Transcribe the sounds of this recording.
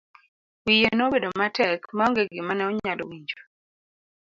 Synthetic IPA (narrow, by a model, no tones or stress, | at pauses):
wijenobedomatɛkmaɔŋɡeɡɪmanɛɔɲalowiɲd͡ʒo